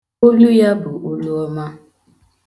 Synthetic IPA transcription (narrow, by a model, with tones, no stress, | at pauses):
o˦lu˦ja˦bʊ˨ʔo˦lu˦ɔ˦ma˦